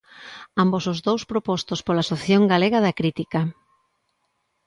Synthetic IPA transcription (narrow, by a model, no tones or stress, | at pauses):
ambosʊzðowspɾopɔst̪ospolasoθjoŋɡaleɣɐðɐkɾit̪ikɐ